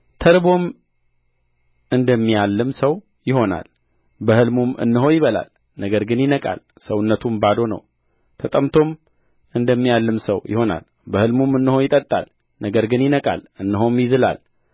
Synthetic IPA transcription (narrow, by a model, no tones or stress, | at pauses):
t̪ʰəɾbo̞m | ʔɨnd̪əmːijalːɨmsəw | jɪho̞na̰l | bəhɨlmumʔɨ̰nːɨɦo̞jɪβəla̰l | nəɡəɾɡɨnjɪnəkʼa̰l | səwɨnːət̪ʰumbad̪o̞nə̰w | t̪ʰət̪ʼəmt̪ʰo̞m | ɨnd̪əmːijalːɨmsə̰wjɪ̰ho̞na̰l | bəhɨlmumɨnːɨho̞jɪt̪ʼət̪ʼːa̰l | nəɡəɾɡɨnjɪnəkʼa̰lɨnːɨɦo̞mjɪzɨla̰l